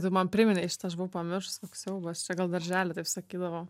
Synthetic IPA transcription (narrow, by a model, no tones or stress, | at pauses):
t̪ɐɪmɐnpʲɾʲɪmʲɪnʲɛʃʲɪt̪ɐɐʃ̬bʋʊʊpɐmʲɪrʃʊstoksʲɛʊbɐɐʃt͡ʃʲɛɡɐlˠd̪ɐɾʲʒʲæːlʲɛt̪ɐɪpsɐkʲiːd̪ɐʋoː